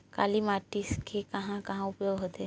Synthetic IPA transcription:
ka̰limaːɾʈisʈkʰekɐɦãkɐɦãʊpjoɡɦot̪e

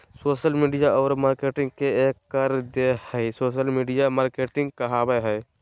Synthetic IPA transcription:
soːʃəlmiːɖijaɔːɾmaːɾkeːʈɪ̃ŋɡkeeːkːəɾd̪ehɛisoːʃ̬əlmiːɖijamaːɾkeːʈɪ̃ŋɡ̚kəɦaːbeɦɛː

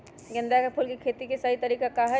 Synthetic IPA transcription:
ɡɪ̃nd̪akapʰʊlkikʰeːt̪ikesɐɦit̪ɐɾiːkakaɦɛ

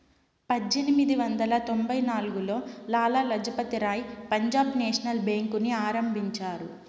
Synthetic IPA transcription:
pɐd͡ʒːenimid̪iʋɐnd̪ɐlɐt̪o̞mbɐjnaːluɡulo̞ːlaːlalɐd͡ʒɐpɐt̪iɾaːjpɐɲd͡ʒaːbneːʂɐnɐlbeːŋkuniaːɾɐmbʱiɲt͡ʃaːɾu

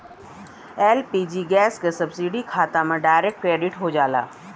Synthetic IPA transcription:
ɛːlpiːd͡ʒiɡɛːskesɐbsiɖikʰaːt̪amẽɖaːɪɾek̚ʈkɾeːɖɪʈɦod͡ʒaːla̰ː

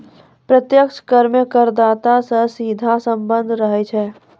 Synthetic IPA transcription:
pɾət̪jəkʃkəɾmjəkəɾd̪aːt̪asəsiːd̪ʱasə̃mbə̃nd̪ʱɾəɦɛt͡ʃʰɛː

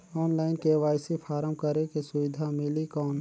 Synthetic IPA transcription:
ɔːnlaːɪnkeʋaːjsipʰaːɾəmkəɾekesʊʋɪd̪ʱamɪlikɔːn

